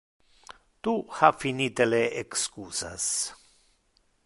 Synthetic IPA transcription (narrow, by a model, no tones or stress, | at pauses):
t̪uhafinit̪eleekskusa̰s